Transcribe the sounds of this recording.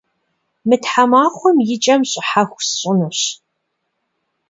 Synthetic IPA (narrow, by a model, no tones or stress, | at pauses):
mɨtħamaːχʷɔmjɪt͡ʃʼɐmɕʼɪħaxʷsɕʼɪnɨɕ